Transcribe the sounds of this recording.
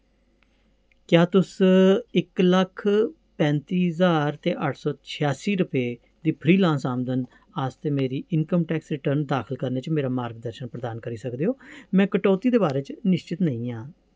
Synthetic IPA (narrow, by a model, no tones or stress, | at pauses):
kjaːt̪ʊsɪkləkʰ | pɛ̃ːnt̪iːɦzaːɾt̪eːʔəʈʰsɔːt͡ʃʰɪjaːsiːɾʊpeː | d̪iːpʰɾiːlãːnsaːmd̪ən | aːst̪eːmeːɾiːʔɪnkəmʈɛːksɾɪʈəɾnd̪aːkʰəlkəɾneːt͡ʃmeːɾaːmaːɾɡd̪əɾʃənpɾəd̪aːnkəɾiːsəkd̪eːɦoːmɛ̃ːkəʈɔːt̪iːd̪eːbaːɾeːt͡ʃnɪʃt͡ʃɪt̪nəĩːãː